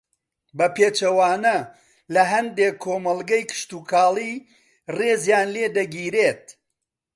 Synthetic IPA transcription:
bɐpeːt͡ʃɐwaːnɐ | lɐɦɐnd̪eːkʰːoːmɐlˠɡɐjkʰɨ̥ʃt̪uːkʰaːlˠiː | reːzjaːnleːd̪ɐɡiːɾeːt̪̚

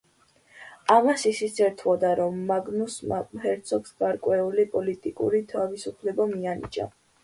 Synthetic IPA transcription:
amasisit̪sɛɾt̪ʰwɔd̪aɾɔmːaɡnushɛɾt̪sʰɔɡsɡ̥aɾkʼwɛulipʼɔlit̪ʼikʼṵɾit̪ʰavisupʰlɛbamianḭd͡ʒa̰

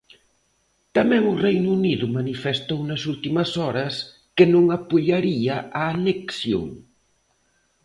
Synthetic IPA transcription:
t̪ɐmɛ̃ŋʊrejnʊuniðʊmanifest̪ownɐsult̪imɐsɔɾɐs | kenõŋapuʎaɾiɐʔaːneksjo̰ŋ

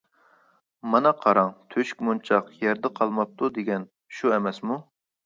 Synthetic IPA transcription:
mɑnɑqʰɑɾɑŋt̪ʰøʃk̚ʲmont͡ʃʰɑqjɛɾd̪ɪqʰɑlˠmɑp̚t̪ʰud̪eɡʲɛn | ʃuɛmɛsmu

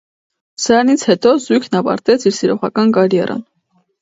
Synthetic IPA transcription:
snit͡sʰhɛt̪ɔzujkʰnɑvɑ̰ɾt̪ɛt͡sʰiɾsiɾɔʁɑkɑnkɑɾjɛ̰rʔə̰n

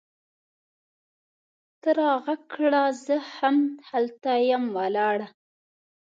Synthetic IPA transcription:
t̪əɾɑɣakɽazəhamhalt̪ajamwalɑɽa

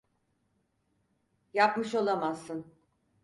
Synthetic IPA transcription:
japmɯʃo̞lˠamazːɯn

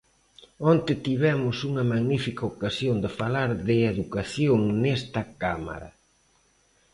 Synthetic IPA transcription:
ont̪ɪt̪iβ̞ɛmʊsuŋɐmaɣnifikɐokasjond̪ɪfalaɾðɪeðukaθjoŋnɛst̪ɐkama̰ɾɐ̰

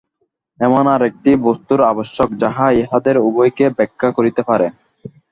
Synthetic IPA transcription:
ɛmonaɾek̚ʈibost̪uɾaboʃːokd͡ʑaɦaeɦad̪eɾubojkebɛkʰːakoɾit̪epaɾe

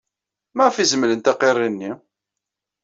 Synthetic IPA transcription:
mæʁfizmələnt̪æqerˤːinːi

